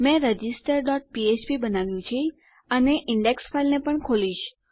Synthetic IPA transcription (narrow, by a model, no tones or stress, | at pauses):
mɛ̃ɾəd͡ʒisʈəɾɖɔʈ̚piet͡ʃpibənaʋjũt͡ʃʰi | əneʔɪɳɖeksfailnepəɳkʰoliʃ